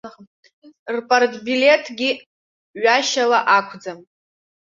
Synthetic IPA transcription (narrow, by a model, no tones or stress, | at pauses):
rpʼartʰʼbilʲe̞tʰɡʲi | ɥaʃalaʔakʷʰd͡zam